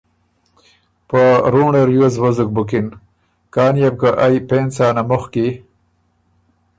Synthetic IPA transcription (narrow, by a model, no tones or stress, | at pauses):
pəɾuːɳeɾjozwɐzuk̚bukin | kaːnijab̚kaʔajpeːnt͡saːnamuxki